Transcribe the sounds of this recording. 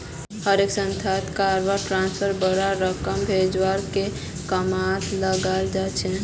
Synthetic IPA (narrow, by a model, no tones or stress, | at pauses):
həɾeksənt̪ʰat̪kaɾʋaɾʈɾanspʰəɾbəɾaɾəkəmbʱed͡ʒwaɾke | kəmat̪ləɡald͡ʒat͡ʃʰɛ